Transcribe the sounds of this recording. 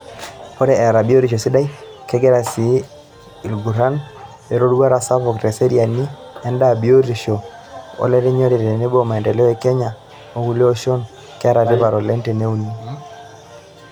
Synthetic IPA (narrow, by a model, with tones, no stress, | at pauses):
pɔ˦ɾɛ˦ɛ˨ɾa˨bi˦o˦ɾi˨ʃo˨si˦da˦i˦kɛ˦ɡɛ˦ɾa˨si˨˦ | i˨lɡu˨ɾa˦n | e˨ɾo˦dwa˦ɾa˨sa˦pɔ˨kɾe˨se˦ɾia˨ni˦ɛ˦nda˦˨bi˨o˦ɾi˨ʃo˨o̰˦lɛ˦ɾɛ˦ɲo˦ɾi˨ɾe˨ne˦bo˦ma˨ɛ˨ndɛ˨lɛ˦e˨kɛ˦ɲa˨ | o˦wu˦le˦o˦ʃɔ˦n | kɛ˦a˦ɾa˨di˦pa˨ɾɔ˨lɛ˦nte˨ne˦u˦ni˨